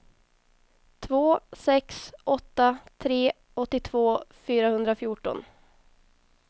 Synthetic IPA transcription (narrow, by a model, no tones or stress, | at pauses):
t̪ʰvoːsɛksɔt̪ːat̪ʰɾeː | ɔt̪ːɪt̪ʰv̥oːfyːɾahɵnd̪ɾafjuːʈɔ̰n